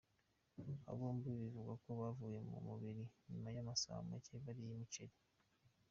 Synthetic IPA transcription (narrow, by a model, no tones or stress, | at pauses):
a̰βuːmbiβivuɡako̞βavuːje̞mṵmuβiɾiɲimajamasa̰ːmeceβaɾijimit͡ʃeɾi